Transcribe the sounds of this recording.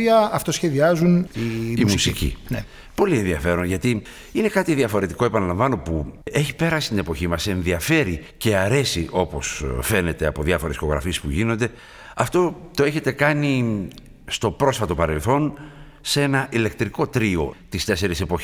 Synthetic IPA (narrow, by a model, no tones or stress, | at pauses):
iɐɐft̪osçe̞ðiɐzuniimusicḭ | po̞lienðiɐfe̞ɾo̞nʝɐt̪i | ine̞kɐt̪iðiɐfo̞ɾe̞t̪iko̞epɐnɐlɐɱvɐno̞pue̞çipe̞ɾɐsist̪inepo̞çimɐse̞nðiɐfe̞ɾice̞ɐɾe̞siʔo̞po̞sfe̞ne̞t̪e̞ɐpo̞ðjɐfo̞ɾe̞si̥o̞ɣɾɐ̰fie̞spuʝino̞nd̪e̞ | ɐft̪o̞t̪o̞e̞çe̞t̪e̞kɐni | st̪o̞pɾo̞sfɐt̪o̞pɐɾe̞lθo̞n | se̞nɐʔile̞k̚t̪ɾiko̞t̪ɾio̞̰t̪ist̪e̞se̞ɾise̞poçi